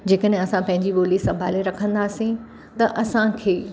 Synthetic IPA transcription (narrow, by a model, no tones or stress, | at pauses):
d͡ʑeːkəɗɦɪ̃ɐsãpɐ̃ɦɪ̃ɲd͡ʑiɓoːlisɐ̃mbʱa̰ːleɾɐkʰə̃nd̪aːsĩ | t̪ɐʔɐsãkʰeː